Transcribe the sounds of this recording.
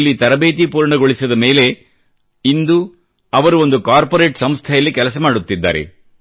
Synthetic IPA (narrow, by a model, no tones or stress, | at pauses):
lːit̪ɐɾɐbeːt̪̬ipuːɾɳɐɡo̞ɭisɐd̪ɐme̞ːle̞ | ind̪u | ɐʋɐɾuo̞nd̪ukaːɾpoɾe̞ːʈsɐmst̪ʰɛjɐlːikɛlɐs̬ɐmaːɽut̪ːid̪ːa̰ːɾḛ